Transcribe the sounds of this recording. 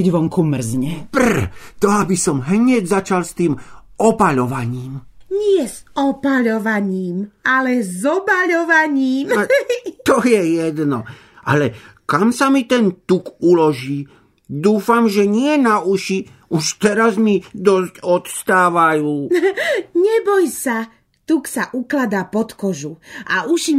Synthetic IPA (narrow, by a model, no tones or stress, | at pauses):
ɛɟʋɔŋkumr̩zɲɛpr̩t̪ɔabisɔmɦɲɛɟzat͡ʃalst̪iːm | ɔpaʎɔʋaɲiːmɲɪɛzɔpaʎɔʋaɲiːmalɛzɔbaʎɔʋaɲiːm | t̪ɔjɛjɛd̪nɔ | ʔa̰lɛkamsamit̪ɛnt̪ukulɔʒiː | d̪uːfamʒɛɲɪɛnauʃi | uʃt̪ɛɾazmid̪ɔscɔt̪st̪aːʋajuː | ɲɛbɔjsa | t̪uksaʔuklad̪aːpɔt̪kɔʒua̰uʃim